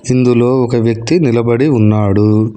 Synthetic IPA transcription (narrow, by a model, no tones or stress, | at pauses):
ind̪ulo̞ːɔkɐʋjɐk̚t̪inilɐbɐɽiunːaːɽu